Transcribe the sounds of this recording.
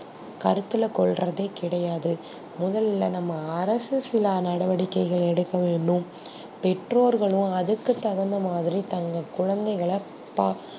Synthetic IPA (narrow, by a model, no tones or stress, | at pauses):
kɐɾɯt̪ːɯlɐkɔɭrɐðeːkɪɽɐjaːðɯ | mʊðɐlɪlɐnɐmːɐːɾɐsɯsɪlaːnɐɽɐʋɐɽɪkːɐɪɣɐɭɛɽɯkːɐʋeːɳɖɯm | pɛʈɾoːɾɣɐɭɯ̃mɐðɯkːɯt̪ːɐɣɐnd̪ɐmaːðɪɾit̪ɐŋɡɐkʊɻɐnd̪ɐɪɣɐɭɐ | pa